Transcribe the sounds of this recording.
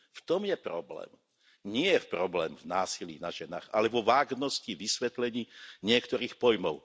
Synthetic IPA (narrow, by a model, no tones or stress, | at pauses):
ft̪ɔmjɛpɾɔblɛ̰ːm | ɲɪɛpɾɔblɛːmvnaːsilḭːnaʒɛna̰ːɣalɛʋɔʋaːɡnɔsciʋisʋɛt̪lɛɲiːɲɪɛkt̪ɔɾiːxpɔjmɔʊ